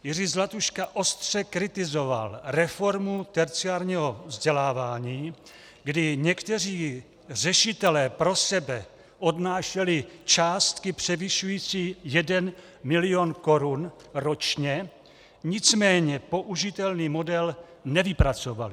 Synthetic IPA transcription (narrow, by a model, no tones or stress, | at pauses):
jɪriːzlat̪uʃkaʔo̞st̪r̝̥ɛkɾɪt̪ɪzo̞va̰lɾɛfo̞ɾmut̪ɛɾt͡siaːɾɲiɦo̞vzɟɛlaːvaːɲiː | ɡdɪɲɛkt̪ɛr̝iː | r̝ɛʃɪt̪ɛlɛːpɾo̞sɛbɛ | ʔo̞dnaːʃɛlɪt͡ʃaːst̪kɪpr̥ɛvɪʃujiːt͡siːjɛdɛn | mɪlɪo̞nko̞ɾun | ɾot͡ʃɲɛ | ɲɪt͡smɛːɲɛpo̞ʔuʒɪt̪ɛlniːmo̞dɛl | nɛvɪpɾat͡so̞valɪ